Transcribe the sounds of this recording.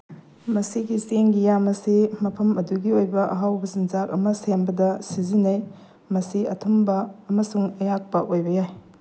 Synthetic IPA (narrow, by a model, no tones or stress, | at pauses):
mɐsiɡiseŋɡijamɐsimɐpʰɐmɐduɡiojbɐʔɐ̰ɦawbɐzinzakɐ̰mɐsenbɐdɐsizinɐj | mɐsiɐtʰɐmbɐːmɐsuŋɐjak̚pɐʔojbɐjaj